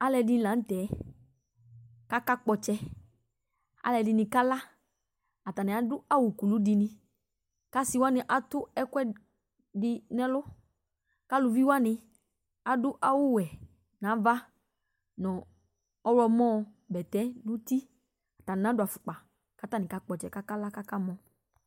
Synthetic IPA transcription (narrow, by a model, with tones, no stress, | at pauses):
a˦lɛ˧dɪ˦la˨˦n̩˦tɛ˨˦ | ka˦ka˦k͡pɔ˧t͡ʃɛ˧ | a̰˦lɛ˧dɪ˧nɪ˧ka˦la˦ | a˨ta˨nɪ̃˨a˨˦dʊ˦a˦wʊ˨ku˨lu˦dɪ˧nɪ˦ | ka˦sɪ˦wa˦nɪ˨ʔa˨tʊ˦ɛ˦kɛ˦ | dɪ˧nɛ˦lʊ˦ | ka˦lʊ˧vi˦wa˦nɪ˧ | a˨dʊ˦ʔa˦wʊ˦˨wɛ˨ | nã˨˦va˦ | nɔ̃˨ | ɔ˦wɔ˧mɔ̃˦˧ | bɛ˨tɛ˨˦nʊ˦ti˦ | a˨ta˨nɪ˨nã˨˦dʊ˨a˨fʊ˨k͡pa˨ | ka˦ta˦˨nɪ̃˨ka˦k͡pɔ˨t͡ʃɛ˨ka˦ka˦la˦ka˦ka˦mɔ̃˦